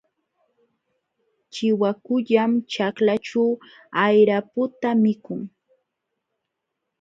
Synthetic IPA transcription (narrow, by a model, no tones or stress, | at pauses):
t͡ʃɪwakʊʎamt͡ʃaklat͡ʃaw | ajɾapʊt̪amɪkʊŋ